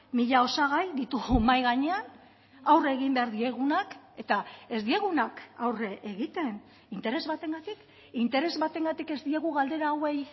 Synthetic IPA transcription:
miʎao̞saɣ̞ajd̪it̪uɣumajɣaɲe̞an | awre̞ɣ̞imbe̞aɾðie̞ɣ̞unake̞t̪ae̞zd̪ie̞ɣunaka̰wreʔeɣit̪e̞n | int̪e̞ɾe̞zβat̪e̞ŋɡat̪ik | int̪e̞ɾe̞zβat̪e̞ŋɡat̪ike̞zd̪ie̞ɣuɣald̪e̞ɾawej

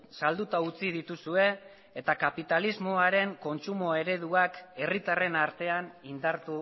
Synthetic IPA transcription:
sald̪ut̪aut͡sið̞it̪usue̞ː | t̪akapit̪alizmo̞aɾe̞ŋko̞nt͡sumo̞e̞ɾe̞ðuake̞rit̪are̞naɾt̪e̞anind̪aɾt̪u

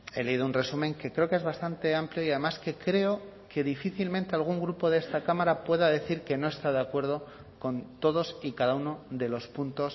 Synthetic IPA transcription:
e̞le̞iðounre̞sumẽ̞ŋke̞kɾe̞oke̞zβast̪ant̪e̞ampljo̞iaðe̞maske̞kɾe̞o | ke̞ðifiθilment̪e̞alɣ̞uŋɡɾupo̞ðe̞st̪akamaɾapwe̞ðaðe̞θiɾke̞no̞e̞st̪aðeakwe̞ɾð̞o̞ | ko̞nt̪o̞ð̞o̞sikaðauno̞ðe̞lo̞spunt̪o̞s

